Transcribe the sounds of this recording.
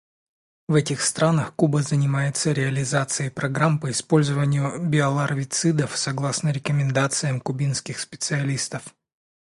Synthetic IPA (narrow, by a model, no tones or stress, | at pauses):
vɛtʲɪxst̪ɾanəxkubəzənʲɪmajɪt̪səɾʲɪɐlʲɪzat̪sɨjəpɾɐɡɾampəɪspo̞lʲzəvənʲɪjʊbʲɪɐlˠɐrvʲɪt̪sɨd̪əfsɐɡlˠasnəɾʲɪkəmʲɪnd̪at̪sɨjəmkʊbʲinskʲɪxspʲɪ̥t̪sɨɐlʲist̪əf